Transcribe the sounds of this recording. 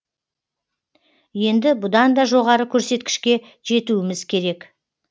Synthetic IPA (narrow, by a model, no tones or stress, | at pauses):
je̞nd̪ɪbʊd̪ɑnd̪ɑʒo̞ʁɑɾəkʲʰɵɾse̞t̪kʲɪ̥ʃkʲe̞ | ʒ̥e̞t̪uwɪmɪzkʲʰe̞ɾe̞k